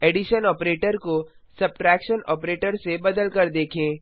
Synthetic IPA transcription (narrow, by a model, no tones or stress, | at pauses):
eːɖɪʃənɔːpɾeːʈəɾko | sɐb̚ʈɾɛːkʃənɔ̰ːpɾeːʈəɾsebɐd̪əlkɐɾd̪eːkʰẽː